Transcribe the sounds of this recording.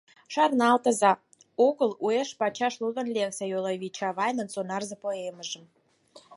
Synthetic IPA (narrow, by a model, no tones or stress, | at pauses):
ʃɑrnɑlt̪ə̆zɑ | oɣəlueʃpɑt͡ɕɑʃluɣə̆nlʲeksejolˠɑβʲit͡ɕɑβɑjnə̆nsonɑrzepoeməʒə̆m